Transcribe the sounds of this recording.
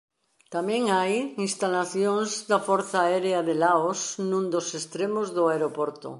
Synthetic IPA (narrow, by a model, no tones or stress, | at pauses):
t̪amẽŋajinst̪alaθjõŋzðafɔɾθaeɾeaðelaosnũnd̪osest̪ɾemozðoaeɾopoɾt̪o̰